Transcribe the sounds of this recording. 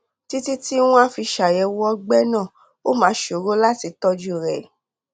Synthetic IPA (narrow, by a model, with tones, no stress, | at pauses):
ti˦ti˦ti˦w̃ũ˦a˦fi˧ʃa˨jɛ˧˦wɔ˦ɡ͡bɛ˦nãː˦˨ | o˦mã˨˦ʃo˨ɾo˦la˦ti˧˦tɔ˦d͡ʒu˦˨ɾɛ˨